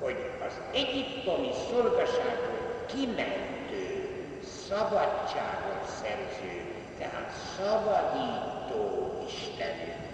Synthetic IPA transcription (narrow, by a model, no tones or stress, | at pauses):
ho̞ɟɒz | ɛɟipt̪o̞misorɡɒʃaːɡokimɛnt̪øː | sɒbɒtːaːɡot̪sɛrzøː | t̪ɛɦa̰ːt̪sɒbɒd̪iːt̪oːiʃt̪ɛny